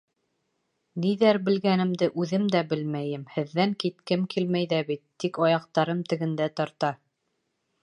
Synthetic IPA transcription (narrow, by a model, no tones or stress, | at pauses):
niðæɾbɘ̆lɡænɘ̆md̪ɘʔʉðɘmd̪æbɘlmæjɘmhɘ̆ðːæŋkit̪kɘmkʰilmæjðæβit̪ːikɑjɑq̚t̪ɑɾɤmt̪ɘ̆ɡɘ̆nd̪æt̪ɑɾt̪ɑ